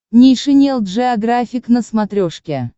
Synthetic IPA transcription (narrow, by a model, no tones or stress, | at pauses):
nʲijʂɨnʲelˠt̪ʐɨaɡrafʲɪknəsmat̪ɾʲoʂkʲe